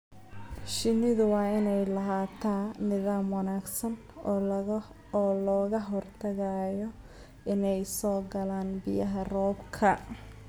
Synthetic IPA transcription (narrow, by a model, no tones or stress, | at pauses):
ʃɪnɪðʊwɑːɪnɛjlɐɦaːt̪ʰaːnɪðaːmwɑnaːɡsɐn | ɔːlɔːɣɐɦɔrt̪ʰɐɣɐjɔ | ʔɪnɛjsɔːɡɐlaːnbɪjɐɦɐrɔːbkʰɐ